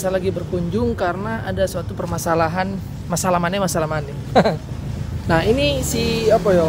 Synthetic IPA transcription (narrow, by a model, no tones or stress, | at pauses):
salaɡibərkuɲd͡ʒʊŋkarənaʔadasuat̪upərmasalaɦan | masalahmanɛmasalahmanɛ | nahinisiapajo